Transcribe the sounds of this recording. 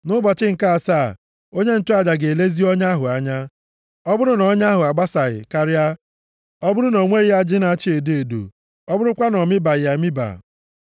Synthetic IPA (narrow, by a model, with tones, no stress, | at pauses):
nʊ˦bɔ˨t͡ʃɪ˦ŋ̩˨ka˦a˨sa˦˨ | o˦ɲe˦n̩˨tʊ˦a˨d͡ʒa˨ɡe˨e˨le˦zi˦ɔ˦ɲa˦ɦʊ˨a˦ɲa˦ | ɔ˦bʊ˦ɾʊ˦nɔ˦ɲa˦ɦʊ˨a˨ɡ͡ba˦sa˨ɣɪ̰˨ka˦ɾɪ˦a˦ | ɔ˦bʊ˦ɾʊ˦no˨ŋʷe˦ɾɪ˦a˦d͡ʒɪ˦na˨˦t͡ʃi˦e˨de˨dṵ˨ | ɔ˦bʊ˦ɾʊ˦kʷa˦nɔ˨mɪ˦ba˨jɪ˨a˨mɪ˦ba̰˨